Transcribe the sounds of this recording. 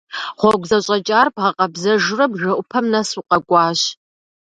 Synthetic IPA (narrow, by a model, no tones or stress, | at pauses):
χʷɔɡʷzɐɕʼɐt͡ʃʼaːrbʁɐqʼɐbzɐʒɪrɐbʒʷɐʔʷʊpʰɐmnɐsuqʼɐɡʷʼɑːɕ